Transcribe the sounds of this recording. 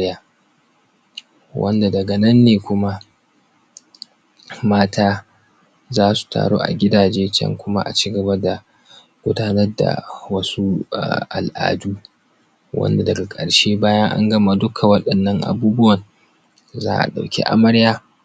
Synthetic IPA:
jaː˦ | wʔɐ̰˦nda˨dɐ˨ɡɐ˨nɐ˦nːeː˨kʷʊ˦ma˦ | maː˦tʰaː˦ | zaː˦su̥˨tʰa̰ː˨ɽo̰ː˦ʔa̰˨ɡʲɪ˦daː˨d͡ʒeː˦t͡ʃɐ̰˦ŋkʷʊ˦ma̰˦ʔa̰˨t͡ʃiː˦ɡɐ˨bɐ˦da˨ | ɡʷʊ˦daː˦nɐ˦rda̰˨wɐ˦su˦a̰˨ʔa̰˨lʔa̰ː˨duː˦ | wʔɐ̰˦nda˨dɐ˨ɡa˨kʼɐ̰˨ɽʃeː˦baː˦jɐ˦ŋʔa̰˦ŋɡɐ˦ma˨dʊ˦kʰa˨wɐ˦ɗɐ˨nːɐ˦ŋʔa̰˨buː˦bʊ˦wɐ˨n | za̰ː˦ʔa̰˨ɗa˨wkʲḭ˦ʔa̰˦mɐ˦ɽjaː˦

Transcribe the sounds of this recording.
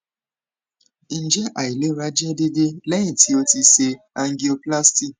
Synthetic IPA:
i˨˦n̩˨d͡ʒɛ˦ʔa˨i˨le˨˦ɾa˦d͡ʒɛ˦de˦de˦lɛ˦ɲĩ˨tʰi˧˦o˧ti˧se˧ | a˧ŋ˦ɡi˨o˧pla˦sti˦

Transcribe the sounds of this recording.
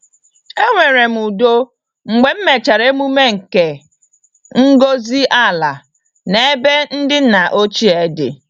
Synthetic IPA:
e˦ŋʷe˨ɾe˨m̩˨u˨do˦ | ŋ͡m̩˨ɡ͡be˨m̩˦me˨t͡ʃa˨ɾe˦mu˦me˦ŋ̩˨ke˨ | ŋ̩˦ɡo˦zi˦ʔa˦˨la˨ | ne˦be˦n̩˦dɪ˦na˨ʔo˦t͡ʃi˦e˦dɪ̰˨

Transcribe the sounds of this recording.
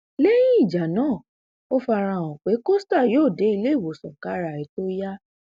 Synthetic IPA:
le˦jĩ˦i˦˨d͡ʒa˨nãː˦˨ | o˦fa˧ɾã˧˨w̃ɔ̃˨k͡pe˨˦ko˦sta˦˨joː˦˨de˨˦i˧le˦i˦˨wo˨sɔ̃˨ka˨˦ɾa˨ɾi˨˦to˦ja˦

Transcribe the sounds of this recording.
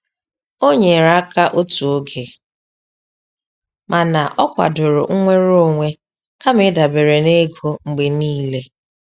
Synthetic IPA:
o˦ɲe˨ɾa˦ka˦ʔo˦tu˨o˦ɡe˨ | mʔa˨na˨ʔɔ˦kʷa̰˨dʊ˨ɾʊ̰˨ŋ̩˦ŋʷe˦ɾo˦˨ŋʷe˦ | ka˦mɪ˦da˨be˨ɾe˨ne˦ɡo˦ŋ͡m̩˨ɡ͡be˨niː˦le˦

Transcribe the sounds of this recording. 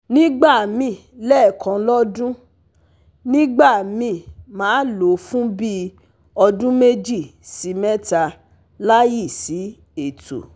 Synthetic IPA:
nĩ˦ɡ͡ba˦˨mĩ˨ | lɛː˦˨kã˨˧lɔ˦dũ˦ | nĩ˦ɡ͡ba˦˨mĩ˧˨mãː˨˦lo˨˦fũ˦bi˦ | ɔ˧dũ˦me˦d͡ʒi˦˨si˨˦mɛ˦ta˧ | la˦ji˦˨si˨˦ | e˦˨tṵ˨

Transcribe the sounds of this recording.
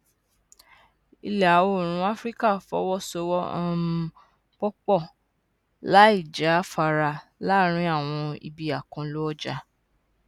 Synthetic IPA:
i˧lɛ˨a˨wo˦˨ɾ̃ũ˦a˦fɾi˦ka˦˨fɔ̰˨˦wɔ˦so˧wɔ˦ã˦˧˦ | k͡pɔ˦k͡pɔ˦˨ | la˦i˦˨d͡ʒa˨˦fa˧ɾa˧la˦ɾ̃ĩ˦a˦˨w̃ɔ̃˧ḭ˧bi˧a˨kã˧lo˦ɔ˦d͡ʒa˧

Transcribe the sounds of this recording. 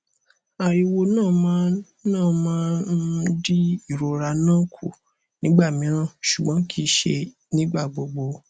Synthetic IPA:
a˨i˧wo˧nãː˦˨mã˨˦ | nãː˦˨mãː˦n̩˦di˦i˦˨ɾo˧ɾa˧nãː˦˨kʰṵ˨ | nĩ˨˦ɡ͡ba˦˨mĩ˨˦ɾ̃ã˦˨ʃu˨ɡ͡bɔ̃˨˦kʰi˦ʃḛ˧ | nĩ˦ɡ͡ba˦˨ɡ͡bo˧ɡ͡bo˧

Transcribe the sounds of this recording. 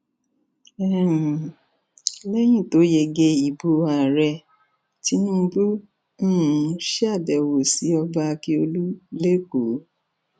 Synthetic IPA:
ɛ˦˨m̩˨ | lɛ˦j̃ĩ˦˨to˨˦je˧˨ɡe˧i˨bo˧˦a˨ɾɛ˧ | ti˨˦nũ˦bũ˦˨˦ | ʃa˦˨dɛ˨wo˨si˨˦ɔ˧ba˧ki˦o˧lu˦le˦ko˨˦

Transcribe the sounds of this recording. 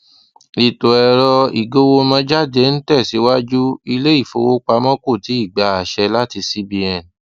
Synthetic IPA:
li˨to˨ɛ˧˨ɾɔ˧i˨ɡo˦wo˧mã˧d͡ʒa˦˨de˨˦n̩˦tɛ˦˨si˨˦wa˦d͡ʒu˦i˧le˦i˦˨fo˧wo˦k͡pa˧mɔ̃˦ko˦˨ti˨˦i˦˨ɡ͡ba˨˦a˨ʃɛ˧la˦ti˧si˦bi˧ɛ̃˧

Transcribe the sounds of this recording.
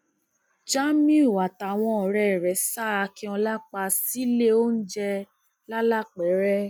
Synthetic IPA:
d͡ʒa˦mĩ˦u˨wa˨ta˨w̃ɔ̃˧˨ɾɛ˨ɾɛ˨˦sa˦a˧kĩ˧˦ɔ̃˧la˦k͡pa˧si˦le˦o˦n̩˦d͡ʒɛ˧ | la˦la˦k͡pɛ˨˦ɾɛ˦

